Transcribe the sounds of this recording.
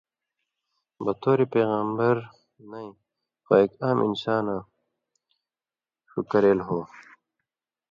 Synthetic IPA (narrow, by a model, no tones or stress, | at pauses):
bɐt̪ʰoːɾipeːɣɐmbɐɾ | nɐĩ | xɐeːkaːmʔḭnsaːnã | ɕṵkɐɾeːlɦoː